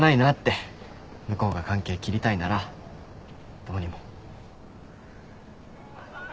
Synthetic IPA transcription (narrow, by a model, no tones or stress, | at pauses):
nainat̪ːe̞ | mɯ̟ko̞ːɡakãŋke̞ːkʲiɾʲit̪ainaɾa | t̪omoɲimo̞